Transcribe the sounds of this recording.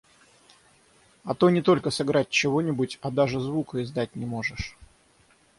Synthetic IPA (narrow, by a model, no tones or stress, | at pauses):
ɐt̪o̞nʲɪt̪o̞lʲkəsɨɡɾat̚ʲt͡ɕɪvo̞nʲɪbʊtʲɐd̪aʐɨzvukəɪzd̪at̚ʲnʲɪmo̞ʐɨʂ